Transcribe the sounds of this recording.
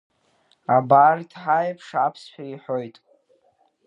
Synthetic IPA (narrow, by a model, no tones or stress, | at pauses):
abardʰħajpʰʂapʰsħᶣaiħo̞jtʼ